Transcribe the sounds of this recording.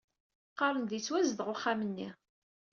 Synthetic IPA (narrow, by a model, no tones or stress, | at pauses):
qːɑɾˤənðit͡sːwæzəðʁoχːamənːi